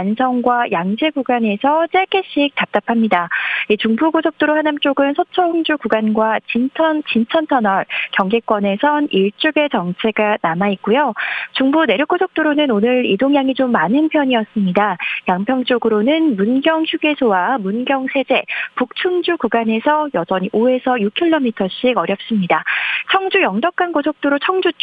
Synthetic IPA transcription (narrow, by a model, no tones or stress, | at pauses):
ansʰʌŋɡwajʔaŋd͡ʑe̞ɡuɡane̞sʰʌt͡ɕ͈e̞ɡeɕ͈ʰik̚t͈ap̚t͈apʰamɲidait͡ɕuŋbuɡosʰʌk̚t͈oɾohanamt͡ɕ͈oɡɯnsʰʌt͡ɕʰʌhuŋd͡ʑuɡuɡanɡwat͡ɕint͡ɕʰʌnt͡ɕint͡ɕʰʌntʰʌnʌɭkjʌŋɡek͈wʌne̞sʰʌniɭt͡ɕ͈uɡe̞t͡ɕʌŋt͡ɕʰe̞ɡanamaik̚k͈ujot͡ɕuŋbune̞ɾjok͈ːosʰok̚t͈oɾonɯnonɯɾidoŋjaŋit͡ɕomːanɯnpʰjʌɲiʌs͈ɯmɲidajaŋpʰjʌŋt͡ɕ͈oɡɯɾonɯnmunɡjʌŋçjuɡe̞sʰowamunɡjʌŋsʰe̞d͡ʑe̞puk̚t͡ɕʰuŋd͡ʑuɡuɡane̞sʰʌjʌd͡ʑʌɲiʔoe̞sʰʌjukʰiɭːomitʰʌɕ͈iɡʌɾjʌp̚s͈ɯmɲidat͡ɕʰʌŋd͡ʑujʌŋdʌk̚k͈ankosʰok̚t͈oɾot͡ɕʰʌŋd͡ʑut͡ɕ